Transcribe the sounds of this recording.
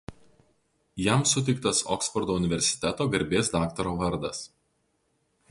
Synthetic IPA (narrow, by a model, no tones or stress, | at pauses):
jæˑmsʊt̪ʲɛɪk̚t̪ɐsɔ̰ksfɔɾd̪oːʊnʲɪʋʲɛɾʲsʲɪ̥t̪ʲɛt̪oːɡɐɾʲbʲeːsd̪ɑːkt̪ɐɾoːʋɐɾd̪ɐs